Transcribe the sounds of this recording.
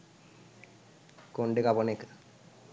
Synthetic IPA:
koɳɖekaponekː

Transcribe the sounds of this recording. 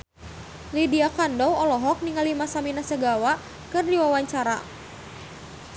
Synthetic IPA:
lidiakandɔwɔlɔɦɔk̚niŋalimasaminasəɡawa | kɨrdiwawaɲt͡ʃaɾa

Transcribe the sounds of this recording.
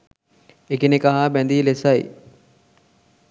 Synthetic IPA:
ekenekaɦabænd̪iːlesɐj

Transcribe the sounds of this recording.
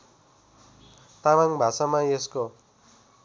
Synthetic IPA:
t̪amaŋbʱasamaesko

